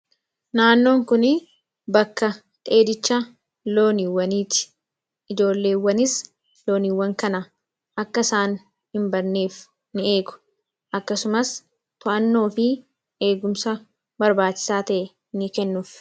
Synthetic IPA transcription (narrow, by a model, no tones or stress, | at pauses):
naːnːo̞ːŋkʊnɪ | bɐkːɐ | t̪ʼe̞ːd̪ɪt͡ʃːa | lo̞ːnɪwːɐniːt̪ɪ̥ | ɪd͡ʒo̞ːlːe̞ːwːɐnɪs | lo̞ːniwːɐŋkɐnɐ | ʔɐkːɐɪsaːn | hɪmbɐɾneːf | nɪe̞ːɡʊ̥ | ʔɐkːɐsʊmɐs | t̪ʊʔɐnːo̞ːfɪ | e̞ːɡʊmsɐ | bɐɾbaːt͡ʃːɪ̥saːt̪ɐʔɛ | nɪkɛnːʊf